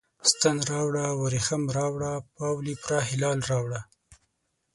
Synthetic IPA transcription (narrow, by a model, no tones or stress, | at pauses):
st̪anɾɑwɽawaɾixamɾɑwɽapɑwlipɾɑɦɪlɑːlɾɑwɽa